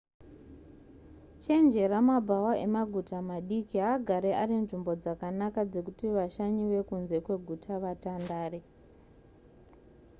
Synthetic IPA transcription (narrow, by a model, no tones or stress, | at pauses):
t͡ʃe̞nd͡ʒe̞ɾamabʱawaʔe̞maɡʱutamaɗikiɦaɡʱaɾearinʐimbo̞d͡zakanakad͡ze̞kutiʋaʃaɲiwe̞kunze̞kwe̞ɡʱutʰaʋatandaːre